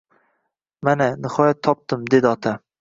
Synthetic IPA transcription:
mananɪhɒjat̪ʰːɒp̚t̪ɪmd̪e̞d̪ɪɒt̪ʰa

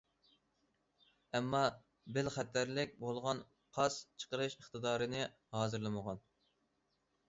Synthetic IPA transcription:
ɛmːɑ | bɪlχæt̪ːæɾlɪk̚ʲbolˠʁɑn | qʰɑst͡ʃʰə̥qəɾɨʃəχt̪ɨd̪ɑːɾɨnɨ | hɑːzɨɾlˠɨməʁɑn

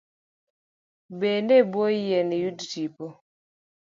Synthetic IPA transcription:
bendebojɛnejudtipo

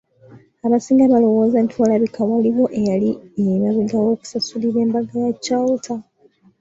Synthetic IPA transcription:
aβasiːŋɡaβalo̞wo̞ːzantʰwalaβikaβaliβo̞ʔejaliejmaβiɡawo̞ːku̥sasuliβe̞ːmbaɡajacːawutʰa

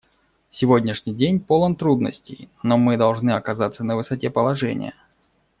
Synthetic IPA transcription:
sʲɪvodʲnʲɪʂnʲɪjdʲenʲpolˠənt̪ɾud̪nə̰sʲtʲɪ̰jnomɨd̪ɐlˠʐnɨɐkɐzat̪sːənəvɨsɐtʲe̞pəlˠɐʐɛ̰nʲɪ̰jə̰

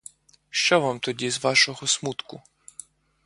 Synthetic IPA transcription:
ʃt͡ʃɔʋamt̪ɔdʲizʋɑʃɔɦɔsmut̪kʊ

